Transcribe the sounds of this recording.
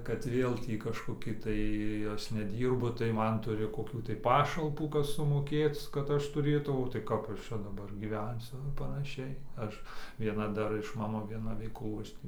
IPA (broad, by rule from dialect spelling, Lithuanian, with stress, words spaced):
kɐt ˈʋʲeːlˠ tʲiː kɐʃkoːˈkʲɪ tɐɪ ˈɐs nʲɛˈdʲiːrbʊ tɐɪ ˈmɐn ˈtʊrʲɪ koːˈkʲuː tɐɪ ˈpɑːʃɐlˠpuː ˈkɐs sʊmoːˈkʲeːt͡s kɐt ˈɐʃ tʊˈrʲeːtɐʊ oː tɐɪ ˈkɐp ˈɐʃ ˈt͡ʃʲɛ dɐˈbɐr ɡʲiːˈʋʲɛnʲsʲʊ ɪ pɐnɐˈʃʲɛɪ ˈɐʃ ʋʲiɛˈnɐ ˈdɐr ɪʃ ˈmɑːnoː ʋʲiɛˈnɐ ˈʋʲɛɪklˠuː ˈɐʃ tʲiː